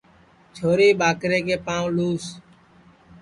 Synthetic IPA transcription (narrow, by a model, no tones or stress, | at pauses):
t͡ʃʰoːɾiːɓaːkɾeːkeːpãːʋluːs